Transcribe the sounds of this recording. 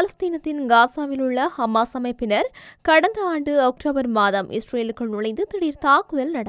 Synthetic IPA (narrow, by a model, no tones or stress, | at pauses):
paːlɐst̪iːnɐt̪ːɪnɡaːsaːʋɪlɯɭːɐhɐmːaːsɐmɐɪpːɪnɐɾkɐɽɐnd̪ɐaːɳɖɯɐk̚ʈoːbɐɾmaːðɐmʔɪ̰sɾeːlɯkːɐɭnʊɻɐɪnd̪ɯt̪ɪɽiɾt̪aːkːʊðɐlnɐɽɐ